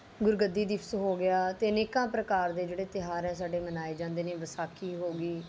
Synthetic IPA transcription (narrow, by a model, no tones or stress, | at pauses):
ɡʊɾɡəd̪ːiːd̪ɪpʰsɦoːɡɪaːt̪eːəneːkãːpɾəkaːɾd̪eːd͡ʒeːɽeːt̪ɪɦaːɾɦɛ̃ːs̬aːɖeːmənaːeːd͡ʒãːnd̪eːneːʋəsaːkʰiːɦoːɡiː